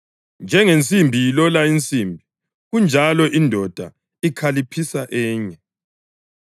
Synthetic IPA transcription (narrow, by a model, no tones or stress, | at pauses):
nd͡ʒʱɛŋent͡sʼimbʱijilɔlaint͡sʼimbʱi | ɣund͡ʒʱalɔʔindʱɔd̥ʱa̰ | ikʰalipʰisaʔɛːɲɛ